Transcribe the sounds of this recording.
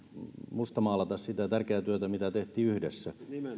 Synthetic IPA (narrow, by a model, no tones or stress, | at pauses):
must̪ɑmɑːlɑt̪ɑssit̪æt̪ærkeæt̪yøt̪æmit̪æt̪eht̪ˑiːyhdesːæ